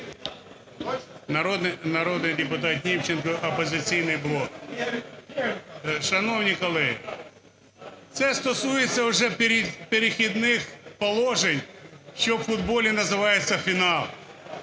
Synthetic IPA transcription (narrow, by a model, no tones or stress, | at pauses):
nɐɾɔd̪nnɐɾɔd̪nɪjdʲɪpʊt̪ɑt̪nʲimt͡ʃɪnkɔʔɔpɔzʲɪt͡sʲijnɪjblˠɔk̚ | ʃɐnɔwnʲikɔlˠɛɦḭ | t̪sɛst̪ɔsujet͡sʲːɐʊʒɛpɾʲpeɾʲɪxʲid̪nɪxpɔlˠɔʒenʲʃt͡ʃɔwfʊd̪bɔlʲinɐzɪʋɑjet͡sʲːɐfʲinɑlˠ